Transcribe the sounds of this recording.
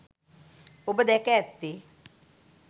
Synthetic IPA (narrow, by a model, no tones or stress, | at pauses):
obəd̪ɛkɛt̪ːi